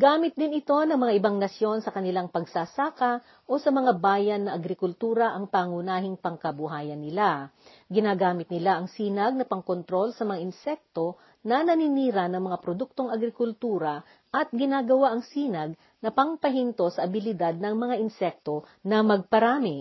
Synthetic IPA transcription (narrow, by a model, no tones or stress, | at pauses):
ɡaːmɪt̪̚d̪ɪnɪt̪o̞nɐŋmɐŋaʔɪbaŋnɐsjo̞nsɐkɐnɪlaŋpɐɡsaːsaːkɐ | ʔo̞sɐmɐŋabaːjɐnːɐʔɐɡɾɪkʊlt̪uːɾɐʔɐŋpaːŋʊnaːɦɪŋpɐŋkɐbʊɦaːjɐnːɪla | ɡɪnaːɡaːmɪt̪̚nɪlaʔɐŋsiːnɐɡ̚nɐpɐŋko̞nt̪ɾo̞lsɐmɐŋaʔɪnsɛk̚t̪o̞ | nɐnɐnɪniːɾɐnɐŋmɐŋapɾod̪uk̚t̪o̞ŋɐɡɾɪkʊlt̪uːɾɐ | ʔɐt̪̚ɡɪnaːɡɐwaʔɐŋsiːnɐɡ̚ | nɐpɐŋpɐɦint̪o̞sɐʔɐbɪlɪd̪ad̪̚nɐŋmɐŋaʔɪnsɛk̚t̪o̞ | nɐmɐɡ̚pɐɾaːmɪ